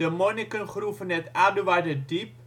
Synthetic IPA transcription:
əmonikənχrufənɛtaduʋajdədip̚

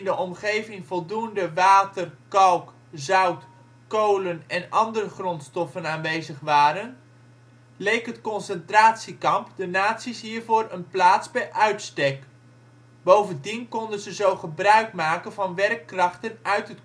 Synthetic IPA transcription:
ndəʔɔmχejvɪŋvɔlˠdundəʋaːtərkɑlˠk | zœwt | kowlənɛnɑndərəχrɔntstɔfənaːnʋejzəχʋaːɾən | lejkɦətkɔnsɛntraːtsikɑmpdənaːtsisɦiːɹvʊːrənplaːtzbɛjʔœɥtstɛk | bowvəndinkɔndənzəzowχəbrœɥkmaːkənvɑnʋɛrkːrɑχtənœɥtɦət

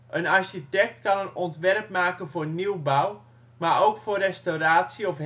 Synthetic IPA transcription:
ʔənarsitɛk̚tkɑnənɔntʋɛrp̚maːkənvoːrniwbaw | maoːkforrɛstowraːtsiɔf

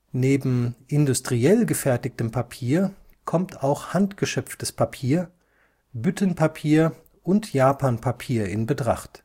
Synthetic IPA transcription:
neːbm̩ʔɪndʊstʁ̥iɛlɡəfɛɐtɪk̚təmpʰapʰiːɐ | kʰɔmtʰaʊxhantɡ̥əʃœpp͡ftəspʰapʰiːɐ | bʏtʰənpʰapʰiːɐ | ʔʊntjaːpʰaːnpʰapʰiːɐɪnbətʁ̥a̰χt

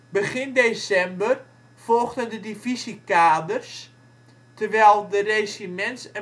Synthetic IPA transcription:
bəɣɪndeːsɛmbər | fɔlˠɣdəndədivisikaːdərs | tərʋɛːlˠdəresimɛntsə

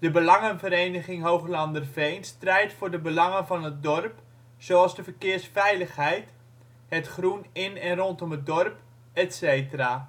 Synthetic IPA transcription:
d̥əbəlɑŋənvəɾejnəχɪŋɦowɣlɑndərvejnstrɛjtfʊːrdəbəlɑŋənvɑnət̚dɔrp | soɑlˠzdəvərkɪːrsfɛjləχɦɛjt | hətχrunɪnɛnrɔntɔmət̚dɔrp | ɛtsejtəra

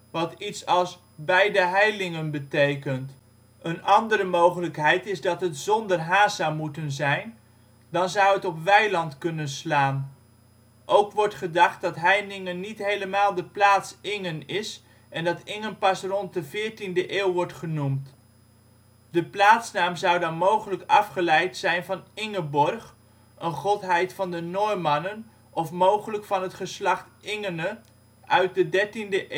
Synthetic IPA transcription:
ʋɑtitsɑlˠs | bɛjdəɦɛjlɪŋənbətejkənt | ənɑndəɾəmowχələkɦɛjtɪzdɑtɦətzɔndərɦaːsamutənzɛjn | dɑnzʌwətɔpʋɛjlɑntkɵnənslaːn | ʔowkʋɔɹtχədɑχt̚dɑtɦɛjlɪŋənitɦejləmaːlˠdəplaːtsɪŋənɪs | ʔɛndɑtɪŋənpɑsrɔnt̚dəvɪːɹtindəʔɪːwʋɔɹtχənumt | dəplaːtsnaːmzɑwdɑnmowχələkɑfχəlɛjtsɛjnvɑnɪŋəbɔrχ | ʔənχʊtɦɛjtfɑndənɔjmɑnən | ɔfmowχələkfɑnɦətχəslɑχtɪŋənə | œɥt̚dədɛɹtindəʔ

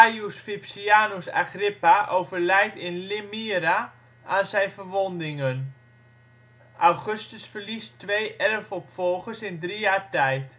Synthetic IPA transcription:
ajusfipsiaːnosa̰χrɪpaʔowvərlɛjtɪnlɪmiəɾa | ʔaːnsɛjnfərʋɔndɪŋən | ʔawχɵstəsfərlistʋejʔɛləfɔpfɔlˠχəsɪndrijaːɹtɛjt

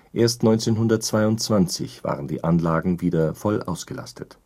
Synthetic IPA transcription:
ʔeːɐstnɔʏnt͡seːnɦʊndɐt̚t͡sv̥aɪʊntt͡sv̥ant͡sɪ̰çv̥a̰ːʁəndḭːʔanlaːɡŋ̩viːdɐfɔlʔa̰ʊsɡ̥əla̰stʰət

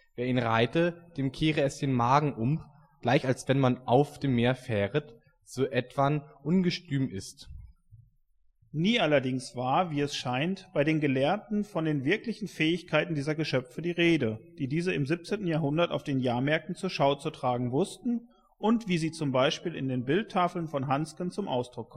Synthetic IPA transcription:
veːɐiːnʁaɪtəd̥eːmkʰeːʁəɛsd̥eːnmaːɡŋ̩ʔʊm | ɡ̥laɪçalsv̥ɛnmanʔaʊfd̥eːmːeːɐfɛːʁət | z̥oːʔɛtv̥anʔʊnɡəʃtyːmɪst | niːʔalɐdɪŋsv̥aːɐviːɛsʃaɪntb̥aɪɾeːnɡəlɛːɐtn̩fɔndeːnvɪɐklɪçn̩fɛːɪçkʰaɪtn̩diːzɐɡəʃœfədiːʁeːdəd̥iːdiːzəɪmzɪp̚t͡seːntn̩jaːɐɦʊndɐta̰ʊfd̥eːnjaːɐmɛɐk̚tn̩t͡suːɐʃaʊt͡sutʁ̥aːɡŋ̩vʊstn̩ | ʔʊntv̥iːziːt͡sʊmbaɪʃpiːlɪ̰ndeːnbɪltʰːaːfl̩nfɔnɦanskənt͡sʊmʔaʊsd̥ʁʊkʰːɔm

